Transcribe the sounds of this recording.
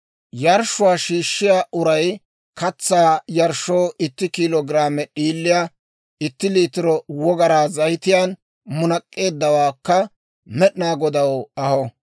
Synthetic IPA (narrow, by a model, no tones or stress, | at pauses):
jɐɾʃʊwaːʃiːʃːɪjaːʔʊɾɐj | kɐt͡sːaːjɐɾʃːoːʔɪt̪ːɪkilɔɡɪɾaːmɛɗiːlːɪja | ɪt̪ːɪliːt̪ɪɾɔwɔɡɐɾaːzɐjt̪ɪjan | mʊnɐkʼːe̞ːd̪ːɐwaːkːɐ | mɛɗɪnaːɡɔd̪ɐwɐhɔ